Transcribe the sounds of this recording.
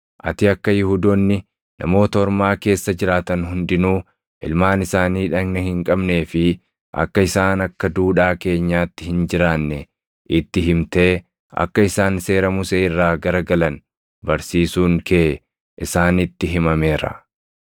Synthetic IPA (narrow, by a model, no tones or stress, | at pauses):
ʔɐ̰t̪ɪɐkːɐjɪhuːd̪ɔnːɪ | nʔɐ̰mo̞ːt̪ɐɔɾmaːke̞ːsːɐd͡ʒɪɾaːt̪ɐnɦʊnd̪ɪnuː | ʔɪ̰lmaːnɪsaːniːᶑɐɡnɛhɪŋkʼɐbne̞ːfɪ | ʔɐ̰kːɐɪsaːnɐkːɐd̪uːᶑaːke̞ːɲːaːt̪ːɪhɪnd͡ʒɪɾaːnːɛ | ʔɪt̪ːɪɦɪmt̪e̞ː | ʔɐ̰kːɐɪsaːnse̞ːɾɐmʊseːɪrːaːɡɐɾɐɡɐlɐn | bɐɾsiːsuːŋkʰeː | ʔɪsaːnɪt̪ːɪɦɪmɐme̞ːɾɐ̰